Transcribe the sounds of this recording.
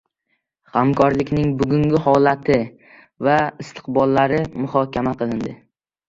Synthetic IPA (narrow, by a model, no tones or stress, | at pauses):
hamkʰɒɾlɪkʲnɪŋbʊɡʲʊŋɡʲɪhɒlat̪ʰɪ | vaɪst̪ʰɨ̥qbɒlˠːaɾɪmʊhɒkʲamaqʰɨlˠɪnd̪ɪ